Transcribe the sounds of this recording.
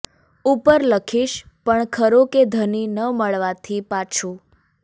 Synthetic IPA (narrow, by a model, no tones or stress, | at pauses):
upəɾləkʰiʃ | pəɳkʰəɾoked̪ʱəninəməɭʋat̪ʰipat͡ʃʰũ